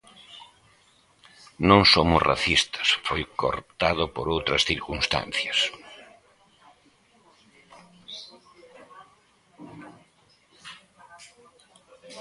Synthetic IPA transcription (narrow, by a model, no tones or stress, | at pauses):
nõŋsomʊzra̰θist̪ɐ̥sfojko̰ɾt̪aðʊpoɾowt̪ɾɐsθiɾkũnst̪ã̰nθjɐs